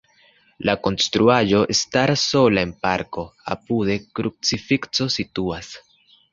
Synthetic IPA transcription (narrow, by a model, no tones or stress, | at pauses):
lako̞nstɾuaʒo̞ʔestaɾaso̞lae̞npaɾko̞a̰pude̞kɾup̚t͡sifikt͡so̞situas